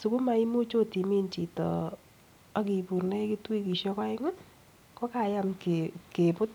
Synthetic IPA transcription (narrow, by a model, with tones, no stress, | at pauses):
su˨ku˦ma˦i˦mu˦t͡ʃo˦ti˨mi˦nt͡ʃi˨tɔ̰˨ | a˨ki˨pu˨rne˦ki˦twi˦ki˨ʃɔ˦ka˦ɪ˦ŋa˦ | kɔ˦ka˨ja˦mkeke˨pʊ˦t̚